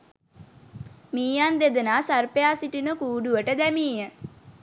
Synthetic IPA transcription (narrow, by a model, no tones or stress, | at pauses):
miːjand̪ed̪ənaːsɐɾpejaːsiʈinokuːɖuʋəʈəd̪ɛmiːə